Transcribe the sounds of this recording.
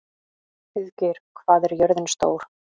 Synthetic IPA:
fɪðcɪɾ̥kʰvaːðɛɾjœɾðɪnst̪o̰ːwɾ̥

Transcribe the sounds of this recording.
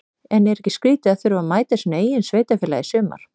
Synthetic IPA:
ɛnɛɾɛhcːɪskɾiːt̪ɪaðθʏɾvamaːjt̪asineːjɪnsveːjt̪afɪːlaðɪsʏːma̰ɾ̥

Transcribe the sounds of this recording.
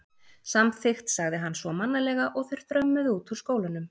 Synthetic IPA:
samθɪxt̪saɣðɪɦanːsvɔmanːalɛɣaʔɔɣθɛjɾ̥θɾœmːʏðuːt̪uɾ̥skoːwlʏnʏm

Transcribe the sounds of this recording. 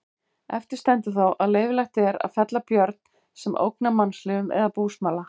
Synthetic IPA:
ɛft̪ɪɾ̥st̪ɛnt̪ʏθawʔaðleːjvɪlajht̪ɛɾa̰ðfɛt̪lapjœɾt̪̚n | sɛmʔo̰wknamanslɪʏmɛ̰ðapuːsmaːla

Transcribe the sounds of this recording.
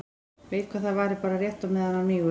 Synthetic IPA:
veːjt̪̚kʰvaðθaðvaːɾɪpaːɾarjɛht̪amɛðhanːamiːɣʏ

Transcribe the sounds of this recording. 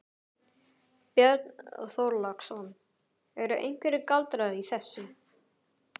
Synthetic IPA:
pjɛɾt̪nθowɾlaksɔn | ɛɾʏʔḛjŋ̥kvɛɾɪkalt̪ɾaðiθɛsːʏ

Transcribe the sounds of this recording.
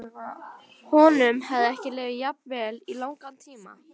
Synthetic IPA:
hɔnʏmhɛvðɪɛhcɪlɛːvɪjap̚nvɛːlilawŋkant̪ʰiːma̰

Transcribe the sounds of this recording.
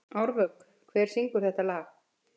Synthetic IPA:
awɾvœk | kʰvɛːɾ̥siŋkʏɾ̥θɛht̪alaːx

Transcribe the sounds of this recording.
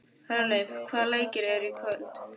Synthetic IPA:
hœɾnajkʰvaːleːjcɪɾɛɾikʰvœlt̪

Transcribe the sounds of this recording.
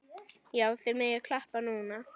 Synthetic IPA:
jaːwθɛmɛjakʰl̥ahpanuːna

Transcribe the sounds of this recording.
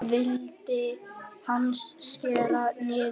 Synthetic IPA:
vɪlt̪ɪhansːcɛːɾanɪ

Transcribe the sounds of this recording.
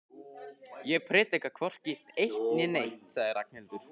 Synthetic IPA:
jɛɣpʰɾɪːt̪ɪkakʰvɔr̥cɪt̪ejht̪nɪnejht̪saɣðɪɾak̚nɛlt̪ʏɾ̥

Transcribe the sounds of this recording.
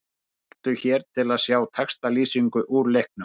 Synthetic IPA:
ḁt̪ʏçɛːɾt̪ʰɪlaðsjaːwt̪ʰɛkst̪aliːsiŋkʏʔuːɾlejhknʏ

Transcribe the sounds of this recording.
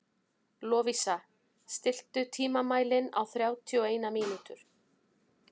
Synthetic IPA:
lɔːvisa | st̪ɪl̥t̪ʏt̪ʰiːmamaːjlɪna̰wθɾjaːwt̪ʰiɔeːjnamiːnut̪ʏɾ̥

